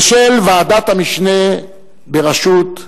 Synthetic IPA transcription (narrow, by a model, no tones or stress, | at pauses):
ʃelvead̪at̪hamiʃne̞ | beʁaʃut̪